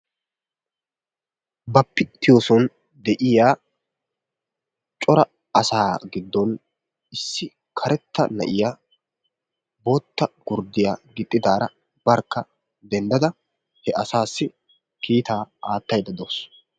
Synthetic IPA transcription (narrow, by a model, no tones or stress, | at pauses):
bɐpːɪt̪ːɪjoːsɔn | d̪ɛʔɪjaː | t͡ʃʼɔɾɐ | ɐsaːɡɪd̪ːɔn | ɪsːɪ | kʰɐɾɛt̪ːɐnɐ̰ʔɪja | bo̞ːt̪ːɐɡ̥ʊɾd̪ɪjaɡɪt̪ʼːɪd̪aːɾɐ | bɐɾkːɐ | d̪ɛnd̪ɐd̪ɐ | hɛʔɐsaːsːɪ | kiːt̪aːaːt̪ːɐjd̪ɐd̪oːs